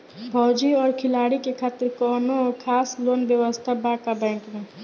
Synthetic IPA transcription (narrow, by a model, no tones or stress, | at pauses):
bʱɔːd͡ʒiɔːɾkʰɪlaːɽikekʰaːt̪ɪɾkɔːnoɔkʰaːsloːnbjəʋəst̪ʰabaːkabɛ̃ːŋkmɛ̃ː